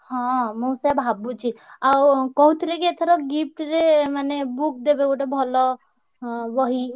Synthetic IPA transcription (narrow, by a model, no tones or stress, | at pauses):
hɔ̃mɔsabʱabũt͡ʃʰiawkɔɦut̪ʰiɾekiet̪ʰɔɾɔɡip̚ʈɾemanebuk̚d̪ebekoʈebʱɔlɔ | bɔɦi